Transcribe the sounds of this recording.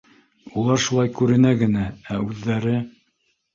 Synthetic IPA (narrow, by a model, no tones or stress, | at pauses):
ulˠɑɾʃulˠɑjkʉɾɘ̆næɡɘ̆nææʉðːæɾɘ